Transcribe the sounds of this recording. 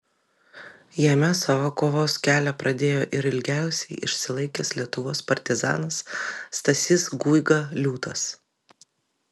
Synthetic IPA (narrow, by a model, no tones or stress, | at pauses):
jɛmʲɛsɐʋokoːʋoːskʲæːlʲɛpɾɐd̪ʲeːjoːʔɪɾɪlʲɡʲæˑʊsʲɛɪʔɪ̰ʃʲsʲɪlˠɐɪkʲeːslʲiɛt̪ʊʋoːspɐɾʲt̪ʲɪzɑ̰ːnɐsːt̪ɐsʲɪsɡuːɪɡɐlʲuːt̪ɐs